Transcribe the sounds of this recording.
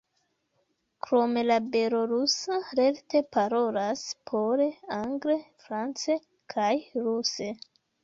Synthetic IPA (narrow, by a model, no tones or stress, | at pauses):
kɾo̞me̞labe̞ɾoɾusaɾe̞ɾte̞paɾo̞laspʰoɾeaŋɡɾe̞fɾant͡se̞ | kʰajɾuse̞